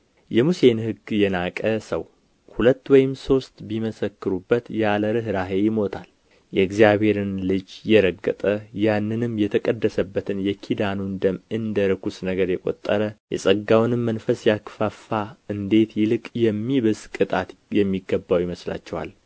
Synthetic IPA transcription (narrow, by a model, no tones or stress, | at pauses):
jɛmuse̞nhɨɡjɛnakʼəsəw | hulət̪ːwɔjɪmso̞st̪biməsəkːɨɾubːət̪jaləɾɨɦɾaɦe̞jɪmo̞t̪ʰal | jɛɨɡzijaβe̞ɾɨnlɨd͡ʒjɛɾəɡːə̰t̪ʼəjanːɨnɨmjɛt̪ʰəkʼəd̪ːəsəbːət̪ʰɨnjɛkʰid̪anund̪əmɨnd̪əɾɨkusnəɡəɾjɛkʼo̞̰t̪ʼːəɾəjɛ̰sʼəɡːawnɨmːənfəsjakfafːaɨnd̪e̞t̪jɪlɨkʼjɛmːiβɨskʼɨt̪ʼat̪jɛmːiɡːəbːawjiməsla̰t͡ʃːɛwa̰l